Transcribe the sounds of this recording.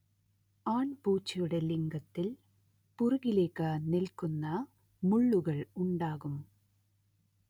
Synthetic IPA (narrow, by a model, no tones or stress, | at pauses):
aːɳpuːt͡ʃːɪjɯɽɐlɪŋɡɐt̪ːɪl | pʊɾʊɣɪleːkːaːnɪlkɯnːɐ | mʊɭːɯɣɐɭʊɳɖaːɣɯm